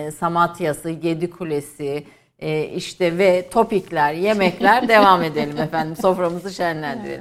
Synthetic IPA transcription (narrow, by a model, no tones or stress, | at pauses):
samat̪ʰjasɯje̞d̪ikʰulʲe̞si | iʃt̪ʰɛvɛt̪ʰo̞piclʲæɾje̞mɛclʲæɾd̪e̞vame̞d̪elʲimɛfænd̪imso̞fɾamɯzɯʃænlʲænd̪ḭɾḛlʲim